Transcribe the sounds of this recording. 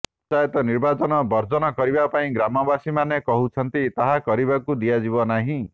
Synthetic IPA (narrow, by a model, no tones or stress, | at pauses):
t͡ʃajt̪ɔniɾbat͡ʃɔnɔbɔɾd͡ʒɔnɔkɔɾibapaĩɡɾamɔbasimanekɔɦut͡ʃʰɔnt̪it̪aɦakɔɾibakud̪iad͡ʒiβɔnaɦĩ